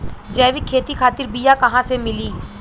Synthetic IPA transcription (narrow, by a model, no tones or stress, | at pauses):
d͡ʒɛːʋɪkʰːeːt̪ikʰaːt̪ɪɾbijakɐɦãsemɪliː